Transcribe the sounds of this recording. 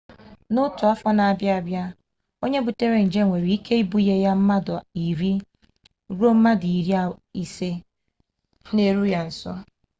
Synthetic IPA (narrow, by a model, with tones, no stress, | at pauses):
nʊ˦tʊ˨a˦fɔ˦na˨a˨bja˦a˨bja˦ | o˦ɲe˦bu˨te˦ɾe˨n̩˨d͡ʒe˦˨ŋʷe˨ɾi˨i˦kʰe˦i˦bu˦je˦ja˦m̩˦ma˦dʊ˨i˨ɾi˦ | ɾu˦o˦m̩˦ma˦dɪ˨i˨ɾi˦a˦i˦se˦ | ne˦ɾu˦ja˦n̩˨sɔ̰˦